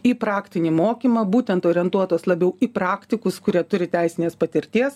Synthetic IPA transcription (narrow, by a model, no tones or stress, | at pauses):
iːpɾɑːkt̪ʲɪnʲiːmoːkʲiːmɐːbuːt̪ʲɛnt̪oːɾʲiɛnt̪uɔt̪oːslˠɐbʲɛʊiːpɾɑːkt̪ʲɪkʊskʊɾʲiɛt̪ʊɾʲɪt̪ʲæɪsʲɪnʲeːspɐt̪ʲɪɾʲt̪ʲiɛs